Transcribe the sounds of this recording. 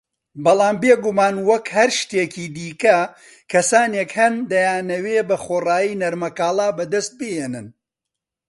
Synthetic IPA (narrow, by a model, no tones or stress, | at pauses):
bɑlˠaːmbeɡumaːnwɐkhɐɾʃt̪eːciːd̪iːkɐ | kʰɐsaːnekhɐnd̪ɐjaːnɐwebɐχoːraːjiːnɐɾmɐkaːlˠaːbɐd̪ɐst̪̚bɨheːnɨn